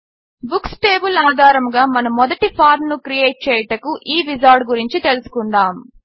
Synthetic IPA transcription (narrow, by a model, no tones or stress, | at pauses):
buksʈeːbulaːd̪ʱaːɾɐmɡaːmɐnɐmːɔd̪ɐʈipʰaːɾmnukɾijeːʈ̚t͡ʃɛːjɐʈɐkuʔiːʋizaːɾɖɡuɾiɲt͡ʃit̪e̞lusu̥kuɳɖaːm